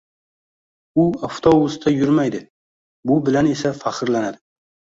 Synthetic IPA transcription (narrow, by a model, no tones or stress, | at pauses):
ʊaft̪ʰobʊst̪ʰajʊɾmajd̪ɪ | bʊbɪlane̞safaχɨɾlanad̪ɪ